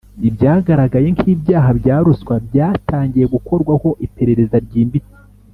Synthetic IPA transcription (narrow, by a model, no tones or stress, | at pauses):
ibjaːɡaɾaɡaje̞ŋkiːbjaːɦabɟaːɾuskwabjaːtʰaːɲɟije̞ɡuko̞ɾɡwaho̞ʔipe̞ɾe̞ɾe̞zaɾɟiːmbiti̥